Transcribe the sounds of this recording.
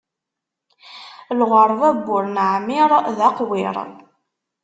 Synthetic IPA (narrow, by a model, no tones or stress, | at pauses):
lʁəɾˤvæbːʊɾnʕmiɾˤðɑqwiɾ̰ˤ